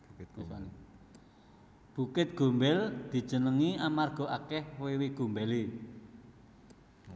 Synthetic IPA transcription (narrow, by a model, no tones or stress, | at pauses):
sani | b̥ṳkɪt̪̚ɡ̥o̤mbɛld̪̥i̤̥d͡ʒ̥ə̤nəŋiamarɡ̥ɔ̤ʔakɛhwewiɡ̥o̤mbɛli